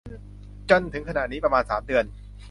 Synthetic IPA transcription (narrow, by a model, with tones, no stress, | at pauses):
t͡ɕo˧nt̪ʰɯ˨˩˦ŋkʰa˧na̰˨˩niː˦˥pɾa˧maː˧nsa̰ː˩˦mdɯ˧ən